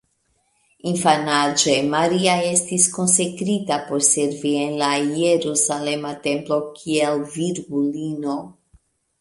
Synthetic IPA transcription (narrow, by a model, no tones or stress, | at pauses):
infanad͡ʒe̞maɾiae̞stisko̞nse̞kɾitapo̞ɾse̞ɾvie̞nlajeɾusale̞mate̞mplo̞kʰielviɾɡulino̞